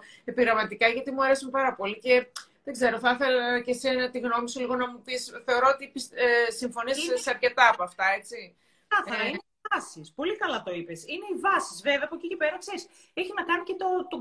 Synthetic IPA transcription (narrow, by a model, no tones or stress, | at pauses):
e̞piɣɾɐmɐt̪ikɐʝɐt̪imuɐɾe̞sumpɐɾɐpo̞lice̞ðe̞ɡze̞ɾo̞θɐθe̞lɐce̞senɐt̪iɣno̞miseliɣo̞nɐmupisθeo̞ɾoot̪ipissiɱfo̞niessɐɾce̞t̪ɐːpoɐft̪ɐe̞t͡si | kɐθɐɾɐineiɐsispo̞likɐlɐt̪o̞ipesine̞ivɐsi̥sveveɐpocicipeɾɐkseɾis | eçinɐkɐnicet̪ot̪o